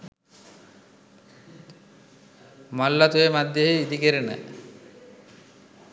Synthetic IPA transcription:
mɔlːat̪ujemad̪ʱjeɦeid̪ikeɾenə̰

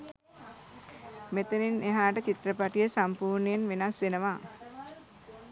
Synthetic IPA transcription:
met̪ənineɦaːʈət͡ʃit̪ɾəpaʈijəsampuːɾnəjenʋenasʋenəʋa

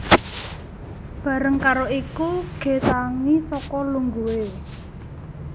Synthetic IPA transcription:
b̥a̤ɾəŋkaɾoikuɡ̥e̤t̪aŋisɔkɔluŋɡuwe

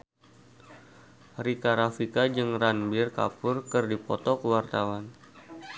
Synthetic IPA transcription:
rikaɾafikad͡ʒɨŋranbɪrka̰pʊrkɨrdipɔt̪ɔkəwart̪awan

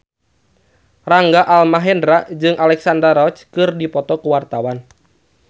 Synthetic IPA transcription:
raŋɡaʔalmaɦɛndɾad͡ʒɨŋʔalɛksandaɾɔt͡ʃkɨrdipɔt̪ɔkuwart̪awan

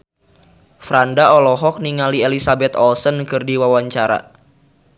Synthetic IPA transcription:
fɾandaɔlɔɦɔk̚niŋalielisabɛt̪ɔlsənkɨrdiwawaɲt͡ʃaɾa̰

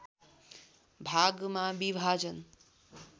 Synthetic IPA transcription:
bʱaɡmabibʱad͡ʒən

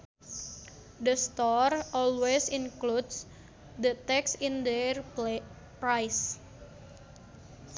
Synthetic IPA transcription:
d̪əst̪ɔrɔlwesinkluds | d̪ət̪ɛksind̪ɛr | pɾajs

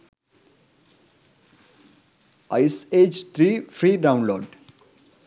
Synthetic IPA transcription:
aɪseːd͡ʒt̪ʰɾiːfɾiːɖãʊ̃nloːɖ

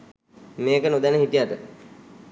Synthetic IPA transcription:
meːkənod̪ænəɦit̪ijaʈə

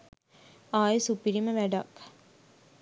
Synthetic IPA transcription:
aːjesupiɾiməʋæɖak

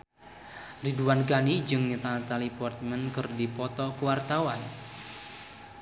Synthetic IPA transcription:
riduwanɡanid͡ʒɨŋɲət̪at̪alipɔrt̪̚mɛnkɨrdipɔt̪ɔkəwart̪awan

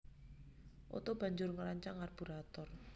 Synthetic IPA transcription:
ʔo̰t̪ob̥ä̤ɲd͡ʒʊrŋəɾaɲt͡ʃaŋarb̥ṳɾat̪ɔr

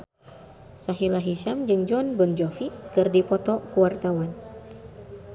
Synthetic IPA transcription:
saɦilaɦiʃamd͡ʒɨŋd͡ʒɔnbənd͡ʒɔfikɨrdipɔt̪ɔkuwart̪awan

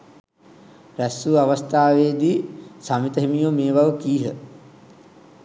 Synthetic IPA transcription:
ɾæsuːaʋast̪aːʋeːd̪iːsamit̪əɦimijomeːbaʋəkiːɦə

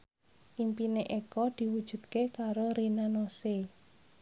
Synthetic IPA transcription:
ʔimpineʔekɔd̪̥i̤wud̥ʒ̥ṳd̪̚kekaɾoɾinanose

